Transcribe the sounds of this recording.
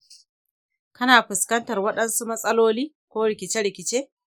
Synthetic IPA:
kɐ˦naː˨ɸɪ˨skɐ˦ntɐ˨rwɐ˦ɗɐ˦nsu˦mɐ˦sʼɐ˦loː˦liː˦ | kʷoː˦ɽɪ˨kʲɪ˨t͡ʃe˦ɽɪ˨kʲɪ˨t͡ʃeː˦

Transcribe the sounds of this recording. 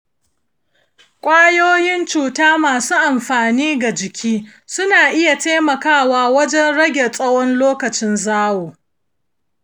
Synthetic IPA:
kʷʼaː˦joː˦jɪ˦nt͡ʃuː˨taː˦maː˨suː˦ʔa˨mɸaː˨niː˦ɡa˨d͡ʒɪ˨kʲʰiː˦ | sʊ˦naː˨ʔɪ˦ja˨teː˦mɐ˨kaː˦˨waː˦wɐ˦d͡ʒɛ˦nɽɐ˦ɡʲe˨sʼɐ˦wɔ˦nloː˦kɐ˨t͡ʃɪ˦nzaː˦woː˨

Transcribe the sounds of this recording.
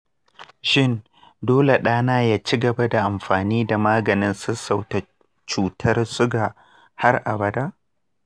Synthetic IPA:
ʃɪ˦˨n | doː˦le˨ɗaː˦naː˦jaː˦t͡ʃi˦ɡɐ˨ba˦da˨ʔa˨mɸaː˨niː˦da˨maː˦ɡɐ˨nɪ˦nsʊ˦sa˨wta˨ | t͡ʃuː˨tʰɐ˦rsʊ˦ɡa˨ | ha˦rʔa̰˨bɐ˦daː˦ʔ

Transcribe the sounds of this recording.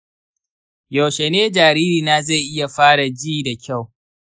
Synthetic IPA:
jo˨wʃe˨neː˦d͡ʒaː˨ɾiː˦ɾiː˨naː˦ze˦˨ʔɪ˦ja˨ɸaː˦ɽa˨d͡ʒiː˦da˨kʲa˦˨w

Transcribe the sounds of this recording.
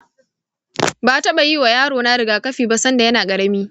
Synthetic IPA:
baː˨tɐ˦ɓa˨ji˦wa˨jaː˦ɽoː˨na˦ɽɪ˨ɡaː˦kɐ˦ɸiː˨ba˦sɐ˦nda˨jɐ˦naː˨kʼɐ˨ɽɐ˦miː˦

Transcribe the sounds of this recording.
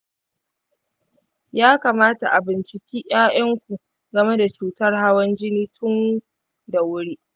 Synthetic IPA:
jaː˦kaː˨maː˦ta̰˨ʔa˨bɪ˨nt͡ʃɪ˦kʲiː˦ʔʲaː˦ʔɐ˦ŋkʷu˨ʔ | ɡɐ˨me˦da˨t͡ʃuː˨tɐ˦rha˦wɐ˦nd͡ʒɪ˦niː˦tʰʊ˦ŋ˦ | da˨wʊ˦ɽiː˦ʔ

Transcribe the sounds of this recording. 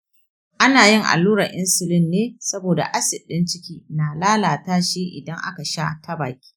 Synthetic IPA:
ʔa˦naː˨jɪ˦˨ŋʔa̰˨lːuː˦ɾɐ˨ʔɪ˦nsʊ˨lɪ˦nːeː˦sɐ˦boː˨da̰˨ʔa˦sɪ˨ɗːɪ˦nt͡ʃɪ˦kʲiː˦naː˨laː˦laː˨taː˦ʃiː˦ʔɪ̰˨dɐ˦ŋʔa̰˦ka˨ʃa̰˦ta˦baː˨kʲi̥ː˦

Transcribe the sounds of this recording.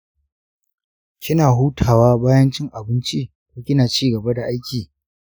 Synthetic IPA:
kʲɪ˦naː˨ɦuː˦tʰaː˨waː˦baː˦jɐ˦nt͡ʃɪ˦ŋʔa˨bɪ˦nt͡ʃi˦ | kʷoː˦kʲɪ˦naː˨t͡ʃiː˦ɡɐ˨ba˦da˨ʔa˦jkʲiː˨

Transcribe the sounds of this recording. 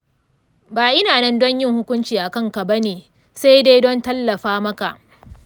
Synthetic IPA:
baː˨ʔɪ˦naː˨nɛ˦ndɔ˦ɲjɪ˦˨ŋhʊ˦kʷʊ˦nt͡ʃiː˨ʔa˨kɐ˦ŋka˨bɐ˦neː˨ | sa˦jda˦jdɔ˦ntɐ˦lːɐ˨ɸaː˦mɐ˦ka˨ʔ

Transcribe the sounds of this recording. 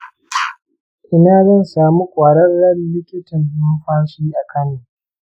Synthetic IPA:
ʔɪ˦naː˦zɐ˦˨nsaː˨mu˦kʷʼaː˨ɽɐ˦rːɐ˦llɪ˦kʲɪ˦tɪ˨ndʊ˦m˦ɸa˦nsu˨˦ji˦ʔa˨kʰɐ˦niː˨

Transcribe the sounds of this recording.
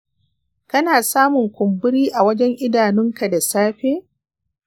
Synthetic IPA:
kɐ˦naː˨saː˦mʊ˨ŋkʷʊ˨mbʊ˦ɽiː˦ʔa˨wɐ˦d͡ʒɛ˦ŋʔɪ˦daː˨nʊ˦ŋka˨da˨saː˦ɸeː˦

